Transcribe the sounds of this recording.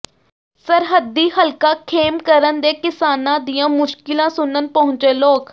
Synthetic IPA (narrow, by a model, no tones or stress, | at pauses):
səɾɦəd̪iːɦəlkaːkʰeːmkəɾənd̪eːkɪsaːnãːd̪ijãːmʊʃkɪlãːsʊnənpəɦʊ̃ɲt͡ʃeːloːk